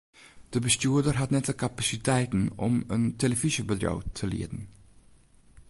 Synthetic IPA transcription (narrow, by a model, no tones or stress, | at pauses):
d̪̥eːbəst̪uːd̪əɾɦɑt̪nɛt̪ʰəkʰɑpɑsɪt̪ʰeːt̪n̩ɔment̪ʰɛləfɪsəbəd̪ɾɑ̰ːt̪ʰɪlḭːd̪n̩